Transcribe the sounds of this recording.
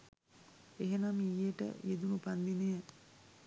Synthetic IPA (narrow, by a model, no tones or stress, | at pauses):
eɦenamijeʈə̰jed̪unupand̪inejə